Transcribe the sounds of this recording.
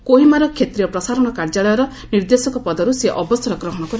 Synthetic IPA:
koɦimaɾɔkʰet̪ɾijɔpɾɔsaɾɔɽ̃ɔkaɾd͡ʒaɭɔjɔɾɔ | niɾd̪esɔŋkɔpɔd̪ɔɾuseʔɔbɔst̪ʰɔɾɔɡɾɔɦɔɽ̃ɔkɔɾ

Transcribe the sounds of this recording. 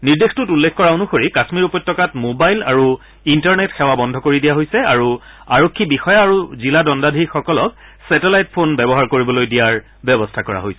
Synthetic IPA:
niɹdextutulːekkɔɹaonuxoɹikasmiɹupɔtːɔkatmobajla̰ɹu | intaɹnetxɛwabɔndʱɔkoɹidijaɦojsɛaɹu | aɹokʰːibixɔjaaɹuziladɔndadʱixɔkɔlɔk̚ | sɛtelajtpʰonbɛbɔɦaɹkoɹibɔlojdijaɹ | bɛbɔstʰakɔɹa̰ɦojsɛ̥

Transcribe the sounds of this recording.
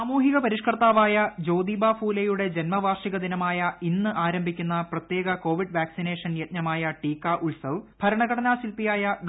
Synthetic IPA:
aːmuːɦiɣɐpɐɾiʂkɐrt̪aːʋaːjɐd͡ʑo̞ːd̪ibaːfuːlejuɽe̞d͡ʑenmɐʋʱaːrʂiɣɐd̪inɐmaːjɐinːɨʔaːɾɐmbʱikʲːunːɐprɐt̪je̞ːɡɐko̞ːʋiɖʋaːksine̞ːʂɐnjɐt̪̚nɐmaːjɐʈiːkːaʔuɭsɐʋbʱɐɾɐɳɐɣɐɽɐnaːsilpijaːjɐɖ

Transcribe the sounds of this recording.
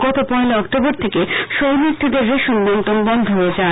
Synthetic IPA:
ɡɔt̪opɔeleɔkʈoboɾt̪ʰekeʃojmit̪ʰːod̪eɾːeʃunbɔnt̪onbɔnd̪ʱoɦoed͡ʑae

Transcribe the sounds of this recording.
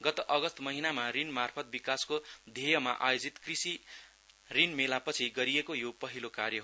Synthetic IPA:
ɡʌt̪oʔʌɡʌst̪mʌɦinamarinmarpʰʌt̪̚bikaskod̪ʱejʌmaʔajod͡zit̪krisi | rinmelapʌt͡sʰiɡʌɾiekojopʌɦilokarjʌɦ

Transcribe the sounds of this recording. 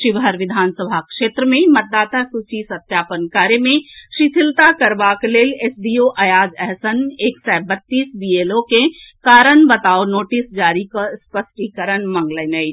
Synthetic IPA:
ʃɪʋɦəɾʋɪd̪ʱaːnsəbʱakʃeːt̪ɾəmẽmət̪̚d̪aːt̪asut͡ʃisət̪jaːpənkaːɾemẽʃit̪ʰɪlt̪akəɾbakeleːlesɖioʔɐjaːd͡ʒɛɦsəneːksabət̪ːiːsbielokekaːɾənbət̪aːonoːʈisd͡ʒaːɾikaspəsʈikəɾənmə̃ŋɡlənəj

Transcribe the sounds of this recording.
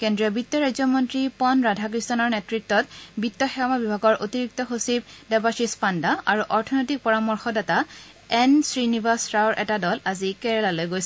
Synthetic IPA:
kendɹiɔbitːɔɹajzɔmɔntɹipɔnɹadʱakɹistɔnɔɹnɛtɹik̚tɔt̚bitːɔxɛɔmabibʱaɡɔɹʔotiɹik̚tɔxosib̚dɛbasispandaaɹuʔɔɹtʰɔnojtik̚pɔɹamɔɹxɔdata | ɛnsɹinibasɹaɔɹʔɛ̰tadɔlazikɛɹɛlalojɡojsɛ

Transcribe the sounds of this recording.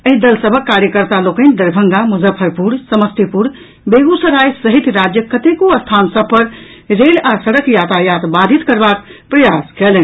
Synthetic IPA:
əɦid̪əlsəbʱəkːaɾjəkəɾt̪alokənd̪əɾbʱəŋɡamuzəpʰːəɾpuɽsəməst̪epuɽ | beɡusəɾajsəɦit̪ɾad͡ʒjəkət̪ekoəst̪ʰansəb̚ʱpəɾ | ɾelasəɽəkjat̪ajat̪bad̪ʱit̪kəɾbakpɾəjaskelen

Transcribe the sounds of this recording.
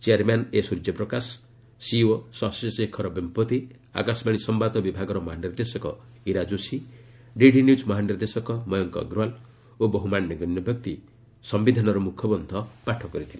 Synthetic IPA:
t͡ʃiaɾmanesuɾd͡ʒepɾɔkasː | iwɔsasɔsekʰɔɾɔbimpɔt̪i | a̰kasbaɽ̃isɔmbat̪ɔbibʱaɡɔɾɔmɔɦaniɾd̪esɔkɔ̰ | iɾad͡ʒosi | ɖiɖinjud͡ʒmɔɦaniɾd̪esɔkɔmɔjɔŋkɔ̰ɡɾual | obɔɦumanjɔɡɔnjɔbjɔk̚t̪i | sɔmbid̪ʱanɔɾɔmukʰjɔbɔnd̪ʱɔpaʈʰɔkɔɾit̪ʰile

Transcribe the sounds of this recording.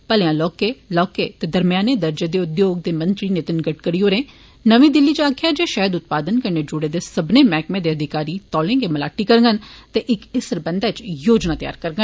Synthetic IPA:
pəlãːlɔːkeːlɔːkeːt̪eːd̪əɾmɪjaːneːd̪əɾd͡ʒeːd̪eːʊd̪joːɡ̚d̪eːmə̃nt̪ɾiːneːt̪ɪnɡəʈkəɾiɦoːɾẽː | nəʋĩːd̪ɪlːiːt͡ʃaːkʰjaːd͡ʒeːʃaːəd̪ʊt̪̚paːd̪ənkəɾneːd͡ʒʊɽeːd̪eːsəbneːmɛːkmẽːd̪eːəd̪ʱɪkaːɾiːt̪ɔːlẽːɡeːməlaːʈːiːkəɾɡənt̪eʔɪkɪsəɾbənd̪aːt͡ʃjoːd͡ʒnaːt̪ja̰ːɾkəɾɡən

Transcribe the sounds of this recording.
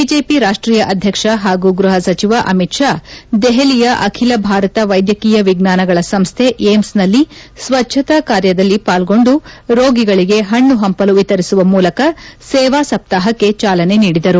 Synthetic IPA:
biːd͡ʒe̞ːpiɾaːʂʈɾiːjɐʔɐd̪ʱjɐkʂɐɦaːɡuɡɾuɦɐsɐt͡ʃiʋaʔɐmitʂaːd̪ɛɦelijɐʔɐkʰilɐbʱaːɾɐt̪ɐʋɐjd̪jɐkiːjɐʋiɡnaːnɐɡɐɭɐsɐmst̪ʰeʔeːmsnɐlːisʋɐtːt͡ʃʰɐt̪ɐkaːɾjɐd̪ɐlːipaːlɡo̞ɳɖuɾoːɡiɡɐɭiɡe̞ɦɐɳːuɦɐmpɐluʋit̪ɐɾisuʋɐmuːlɐkɐsɛːʋaːsɐp̚t̪aːɦɐkːe̞t͡ʃaːlɐne̞niːɽid̪ɐɾu

